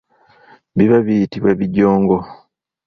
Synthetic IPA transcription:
βiβaβijitiβwaβiɟːoːŋɡo

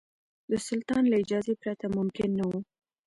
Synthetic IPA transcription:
d̪əsʊlt̪ɑnlaɪd͡ʒɑzepɾat̪amʊmkɪnːawu

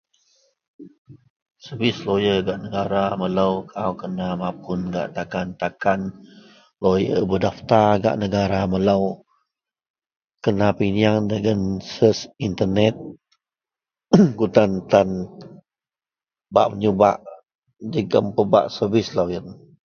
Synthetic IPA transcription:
səbislojəɡaʔnəɡaɾamələwkʰawkənamapʰʊnɡa̰ʔt̪akant̪akan | lojəbədaft̪aɡa̰ʔnəɡaɾamələw | kənapiniaŋdəɡənsəsint̪ənɛt̪̚ | ɡut̪ant̪an | ba̰ʔməɲuba̰ʔ | d͡ʒəɡəmpəba̰ʔsəvislojən

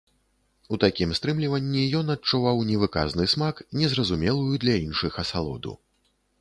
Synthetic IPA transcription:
ut̪akʲimst̪ɾɨmlʲivɐnʲːijɔnɐt͡ʂːuvawnʲɛvɨka̰znɨsmaknʲɛzɾɐzumʲɛlˠujud̪lʲɐinʂɨxɐsalˠɔ̰d̪ṵ

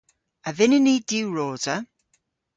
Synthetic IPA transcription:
əvɪnɪniːd̥iwɹɔːdə

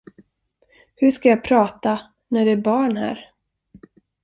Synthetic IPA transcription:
hɵʂkajɑːpʰɾɑːt̪a | næɖɛæɾbɑːɳhæ̰ːɾ

